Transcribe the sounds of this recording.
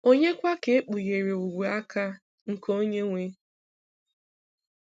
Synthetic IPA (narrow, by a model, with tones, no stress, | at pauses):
o˦ɲe˦kʷa˦ke˨˦e˦k͡pu˨ɣe˨ɾe˨u˨ɡʷu˨a˦ka˦ | ŋ̩˨ko˦ɲe˦ŋʷe˦